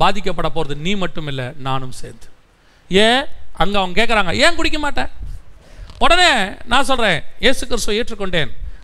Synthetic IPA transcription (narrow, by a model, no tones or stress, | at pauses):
baːðɪkːɐpːɐɽɐpːoːɾɐðɯniːmɐʈːɯmɪlːɛnaːnɯmsḛːnd̪ɯ | eːɐŋɡɐɐʋɐŋɡɐkeːʈkːɐɾaːŋɡɐeːkʊɽɪk̬ːɐmaːʈːẽː | ɔɽɐneːnãːsɔlrɾẽːjeːsɯkɪɾɪst̪ɯeːʈrɯkːɔɳɖeːn